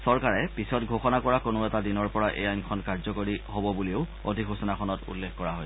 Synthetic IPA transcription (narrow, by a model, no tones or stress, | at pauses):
sɔɹkaɹɛpisɔtɡʱoxɔnakɔɹakonʊɛtadinɔɹpɔɹaʔḛjajnkʰɔnkaɹzɔkoɹiɦobɔbuliʊ | o̰dʱikɦosɔnakʰɔnɔtṵlːexkɔɹaɦojs